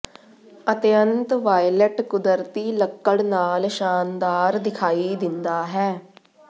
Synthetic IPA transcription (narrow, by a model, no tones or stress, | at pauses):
ət̪jə̃nt̪ʋaːjleʈkʊd̪əɾt̪iləkːəɽnaːlʃaːnd̪aːɾd̪ɪkʰaːid̪ɪnd̪aːɦɛː